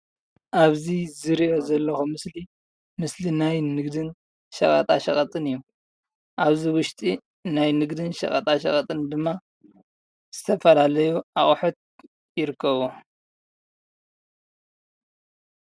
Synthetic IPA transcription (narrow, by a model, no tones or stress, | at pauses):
ʔaβzizɨɾiʔo̞zɐlːɐxumɨsli | mɨslinajnɨɡd̪ɨn | ʃɐ̰χʼɐ̰t̪ʼaʃɐχʼɐt̪ʼɨnɨjːu | ʔaβziwʊʃt̪ʼi | najnɨɡd̪ɨnʃɐ̰kʼɐ̰t̪ʼaʃɐ̰χʼɐt̪ʼɨnd̪ɨmːa | z̥ɨt̪ʰɐfɐlalɐjuʔaχʼħot̪̚ | jɪɾɨkʰːɐβo